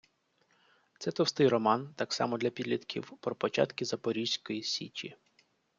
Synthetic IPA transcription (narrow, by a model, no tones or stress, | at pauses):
t̪sɛt̪ɔwst̪ɪjrɔmɑnt̪ɑksɑ̰mɔd̪lʲɐpʲid̪lʲit̪kʲḭwpɾɔpɔt͡ʃɑ̰t̪kʲɪzɐpɔɾʲiʒsʲkɔjisʲḭt͡ʃʲḭ